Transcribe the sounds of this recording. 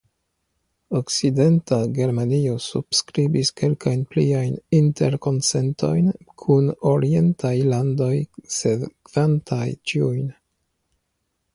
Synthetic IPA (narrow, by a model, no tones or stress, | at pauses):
okside̞ntaɡe̞ɾmaniosub̥skɾibiske̞lkajnpliajnintʰeɾko̞nsentʰo̞̰jn | kʰunoɾie̞ntʰajlando̞jsedkvantʰajt͡ʃiujn